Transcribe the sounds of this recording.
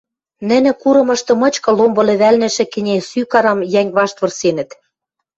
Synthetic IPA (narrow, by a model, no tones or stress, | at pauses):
nɘ̆nɘ̆kuɾɤ̆mɤ̆ʃt̪ɤ̆mɤ̆t͡ɕkɤ̆lombɤ̆lĕβælnɘ̆ʃɘ̆kɘ̆nʲesykɑɾɤ̆mjæŋʲβɑʃt̪βɤ̆rsenɘ̆t̪